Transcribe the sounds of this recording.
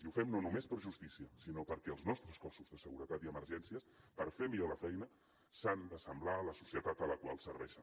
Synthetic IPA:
iufɛmnonumespəɾʒust̪isiəsinopəɾkɛəlˠznɔst̪ɾəskɔsuzðəsəɣuɾət̪at̪iəməɾʒɛnsiəspəɾfemiʎoləfɛjnə | sand̪əsəmblaələsu̥siət̪at̪ələkwa̰lˠsəɾβɛʃə

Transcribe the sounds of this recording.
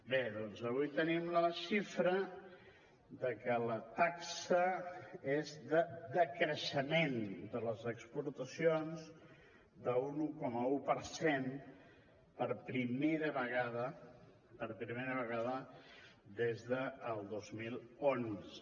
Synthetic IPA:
beðɔnzəβujt̪ənimləʃifɾə | ðəkələt̪aksəezðəd̪əkɾəʃəmend̪ələzəkspuɾt̪əsionz | d̪əunukɔməupəɾsen | pəɾpɾimeɾəβəɣaðə | pəɾpɾimeɾəβəɣaðə | d̪ezðəːlˠd̪ozmilˠons

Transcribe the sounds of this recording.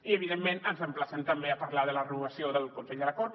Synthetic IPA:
iəβ̞iðemːẽnənzəmplasənt̪əmbeapaɾlaðələrənuβəsioðəlkunsɛʎd̪əlakɔɾt̪

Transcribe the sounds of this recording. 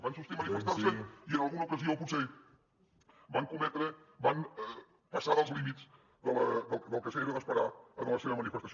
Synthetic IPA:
bansust̪imənifəst̪aɾsəiənəlˠɣunəukəzioəlˠpuseʎ | baŋkumɛt̪ɾəbanɛ | pəsaðəlˠzlimiz | ðələd̪əlˠd̪əlˠkəsəeɾəðəspəɾaənləseβəmənifəst̪əs

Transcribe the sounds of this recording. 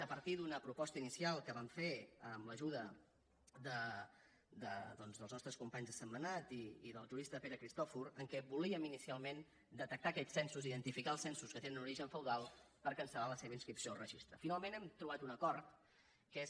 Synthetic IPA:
əpəɾt̪iðunəpɾupɔst̪əinisialˠkəβaɱfeəmləʒuðə | ðə | d̪əðɔnzðəlˠznɔst̪ɾəskumpaɲzðəsəmːənat̪iːðəlˠʒuɾist̪əpeɾəkɾist̪ɔfuɾəŋkɛβuliəminisialˠmen | d̪ət̪ək̚t̪akɛʎsɛnsuziðənt̪ifikaəlˠsɛnsuskət̪enənuɾiʒəɱfəwðalˠ | pəɾkənsəlaləseβəinskɾipsiorəʒist̪ɾəfinalˠmẽnɛmt̪ɾuβat̪unəkɔɾt̪ | kes

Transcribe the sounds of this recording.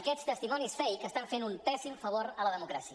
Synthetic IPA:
əkɛst̪əst̪imɔnisfɛjkəst̪aɱfenumpɛsimfəβ̞oɾələðəmukɾasi

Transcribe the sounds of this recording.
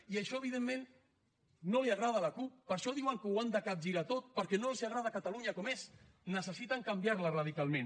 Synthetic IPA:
iaʃɔəβ̞iðemːenː | oliaɣɾað̞alakup̚ːəɾʃɔðiwaŋkəwand̪akap̚ʒiɾat̪ot̪̚pəɾkɛnolsiaɣɾaðakat̪aluɲakɔmes | nəsəsit̪aŋkambjaɾlaraðikalˠmẽn

